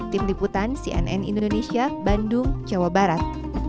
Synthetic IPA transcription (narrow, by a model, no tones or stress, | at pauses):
t̪ɪmliput̪ansiʔɛ̰nʔɛ̰nindodonesiabandʊŋd͡ʒawabaɾat̪̚